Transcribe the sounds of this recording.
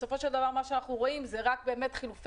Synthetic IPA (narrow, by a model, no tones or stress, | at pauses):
sofo̞ʃe̞ld̪avaʁmaʃeanaχnuʁo̞imzeʁak̚be̞ːme̞t̪χiluf